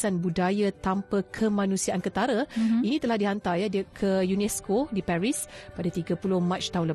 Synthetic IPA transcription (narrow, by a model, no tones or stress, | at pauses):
sanbudajat̪ampəkʰəmãnũsiaʔankət̪aɾainĩt̪əlahdiɦant̪ajadiəkʰəjunɛskodipaɾispadat̪iɡapulʊhmãt͡ʃt̪aɦunlə